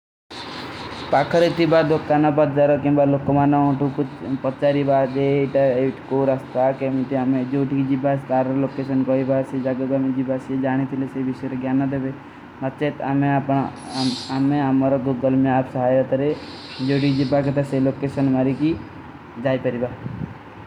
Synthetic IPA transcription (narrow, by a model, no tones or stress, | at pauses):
paːkʰəɾit̪ibad̪okːanapat̪̚d͡ʒaɾɔkĩmbalokomanɔɔ̃ʈukut͡ʃpɔtt͡ʃaɾibad͡ʒeʈaeʈkoɾast̪akemiʈiamẽd͡ʒoːʈikd͡ʒibast̪aːɾlokeːs̬ənkɔibased͡ʒaɡəbamẽd͡ʒibased͡ʒaːɽ̃it̪ʰilesebisejɾɔɡjaːnːad̪ebe | nɐt̪t͡ʃet̪ameapn | ameamɔɾɔɡoɡəlmeaːpsɐɦaːjɾɔt̪ɐɾe | d͡ʒoːʈid͡ʒibaket̪aselokesənmaɾiki | d͡ʒaːjpəɾiba